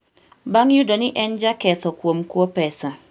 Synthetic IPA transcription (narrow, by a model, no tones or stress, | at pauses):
baŋjudonɪʔɛnd͡ʒakɛt̪ɔkwomkwopɛsa